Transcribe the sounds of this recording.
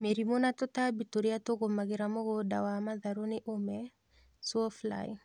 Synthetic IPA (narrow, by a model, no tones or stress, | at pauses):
meɾimonatotabitoɾiatoɣomaɣeɾamoɣoda̰wamaðaɾoneʔomɛ | swɔfla̰j